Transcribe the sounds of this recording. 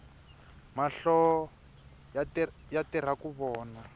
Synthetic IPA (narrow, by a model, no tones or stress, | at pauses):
maɬɔ | jatir̤akuβɔːna